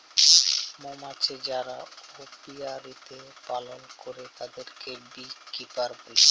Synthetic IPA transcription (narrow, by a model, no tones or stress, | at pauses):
momat͡ɕed͡ʑaɾaopiaɾit̪epalonkoɾet̪ad̪eɾkebikipaɾbol